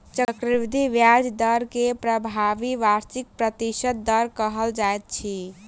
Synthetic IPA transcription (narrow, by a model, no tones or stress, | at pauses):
t͡ʃəkɾiʋd̪ʱiʋjad͡ʒd̪əɾkepɾəbʱaʋiʋaɾt͡ʃik̚pɾət̪isəd̪̚d̪əɾkəɦəld͡ʒaet̪̚t͡ʃʰi